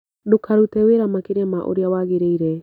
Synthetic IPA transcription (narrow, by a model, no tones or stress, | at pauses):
dokaɾutɛweɾamakeɾɛmaʔo̰ɾeawaɣeɾeiɾɛ